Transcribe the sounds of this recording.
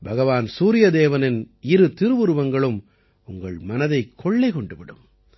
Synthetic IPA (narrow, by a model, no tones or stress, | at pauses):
bʱɐɣɐʋaːnsuːɾɪjɐd̪eːʋɐnɪn | ɪɾɯt̪ɪɾɯʋɯɾɯʋɐŋɡɐɭɯm | ʊŋɡɐɭmɐnɐðɐɪkʰːɔɭːɐɪkɔɳɖɯʋɪɽɯ̰m